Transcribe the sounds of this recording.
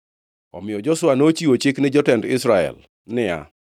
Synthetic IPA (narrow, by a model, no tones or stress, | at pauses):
ɔ̰mɪjɔd͡ʒɔsʊwanot͡ʃiwot͡ʃɪknɪd͡ʒɔtɛndɪsɾaɛ̰l | nɪa̰